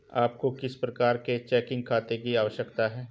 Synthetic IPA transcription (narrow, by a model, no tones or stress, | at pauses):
aːp̚kokɪspɾɐkaːɾket͡ʃɛːkɪ̃ŋɡ̚kʰaːt̪ekiaːʋəʃjəkt̪aɦɛː